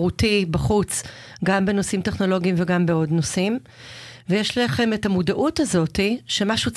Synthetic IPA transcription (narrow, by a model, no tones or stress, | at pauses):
ʁutibaχut͡s | ɡambe̞no̞simteχno̞lo̞ɡiimveɡambeo̞dnosim | vejeʃlaχe̞me̞tamudaʔutazo̞tiʃe̞maʃut͡s